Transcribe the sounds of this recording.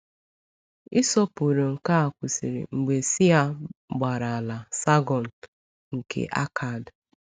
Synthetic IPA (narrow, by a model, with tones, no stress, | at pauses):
i˦sɔ˦pu˨ɾe˨ŋ̩˨ka˦a˨kʷʊ˨sḭ˨ɾḭ˨ŋ͡m̩˨ɡ͡be˨si˦a˦ɡ͡ba˨ɾa˨a˨la˨sa˦ɡɔ˨n̩˨ | ŋ̩˨kʰḛ˨ʔa̰˦kʰa˨d